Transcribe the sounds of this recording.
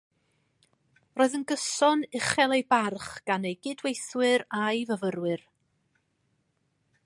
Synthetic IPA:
roːðənɡəsɔnɪχɛlˠejbarχɡ̥anejɡɪdwejθwɨɾajvəvəɾwɨr

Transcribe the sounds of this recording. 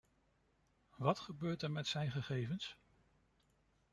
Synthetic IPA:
ʋɑtχəbøːɹtɛɹmɛtsɛjnχəχejvəns

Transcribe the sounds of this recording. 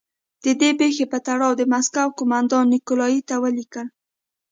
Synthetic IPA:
d̪̥əd̪epexepət̪aɽɑwd̪əmaskawkʊmand̪ɑnːɪkʊlɑjit̪awəlikəl

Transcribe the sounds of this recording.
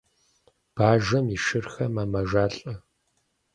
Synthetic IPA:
b̥aːʒɐmiʃɨrxɐmɐmɐʒaːɬʼɐ

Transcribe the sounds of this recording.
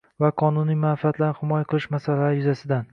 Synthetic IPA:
vaqʰɒnʊnijmanfiat̪ʰlaɾnɪhɪmɒjaqʰɨlˠɪʃmasalaɾɪjʊzasɪd̪an

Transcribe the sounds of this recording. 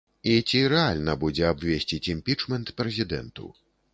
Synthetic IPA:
it͡sʲiɾɛalʲnɐbud͡zʲɛabʲvʲesʲt͡sʲit͡sʲimʲpʲit͡ʂmɛnt̪pɾɛzʲid̪ɛ̰nt̪ṵ

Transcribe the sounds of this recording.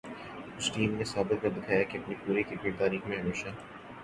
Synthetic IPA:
kʊt͡ʃʰʈiːmnesaːbɪt̪̚kɐɾd̪ɪkʰaːjakeɐpnipuːɾikikːit̪aːɾiːxmẽɦɐmeːʃaː

